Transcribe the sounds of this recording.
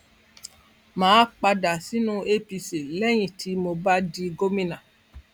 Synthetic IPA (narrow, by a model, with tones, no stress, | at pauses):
mãː˨˦k͡pa˧da˨si˦nũ˦e˦pi˧si˨lɛ˦j̃ĩ˨tʰi˧mo˧ba˦di˧ɡo˦mĩ˦nã˨